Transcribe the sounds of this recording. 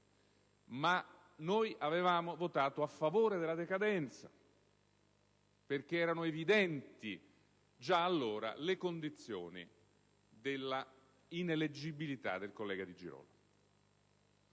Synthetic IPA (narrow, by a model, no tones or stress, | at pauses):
ma | nojʔavevaːmovot̪aːt̪oafːavoːɾed̪elːad̪ekad̪ɛnt̪sa̰ | perk̟eɛːɾanʊevid̪ɛnt̪i | d͡ʒaːlːoːɾa̰lekond̪it̪sːjo̰ːnḭ | d̪elːa | ineled͡ʒibilit̪a̰d̪ːelkolːɛːɡad̪id͡ʒḭɾɔ̰ːla